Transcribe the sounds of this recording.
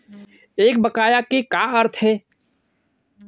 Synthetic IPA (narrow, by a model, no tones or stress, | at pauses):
eːk̚bɐkaːjakekaːɐɾt̪ʰɦɛː